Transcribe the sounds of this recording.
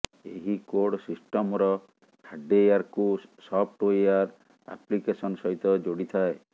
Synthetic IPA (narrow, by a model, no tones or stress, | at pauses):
eɦikoɽsisʈɔmɾɔ | kʰaɖejaɾkusɔp̚ʰʈojaɾ | a̰plikesɔnɔsɔɦit̪ɔd͡ʒoɽit̪ʰae